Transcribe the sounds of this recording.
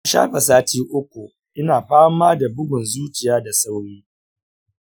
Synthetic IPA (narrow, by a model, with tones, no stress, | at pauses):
ʃa̰ː˦ɸɛ˨saː˦tʰiː˦ʔʊ˦kʷu˨ | ʔɪ˦naː˨ɸaː˦maː˦da˨bʊ˦ɡʊ˨nzuː˦t͡ʃɪ˨jaː˦da˨sa˦wɽiː˦